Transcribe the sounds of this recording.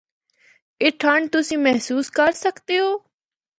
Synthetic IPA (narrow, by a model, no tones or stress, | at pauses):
ɪʈʰaːɳt̪ʊsĩːmɛɦsuːskəɾsəkt̪eɦoː